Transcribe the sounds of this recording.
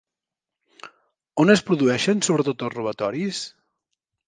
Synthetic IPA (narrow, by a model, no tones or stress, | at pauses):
onespɾuðuɛʃənsoβ̞ɾət̪ot̪əlˠzruβ̞ət̪ɔɾis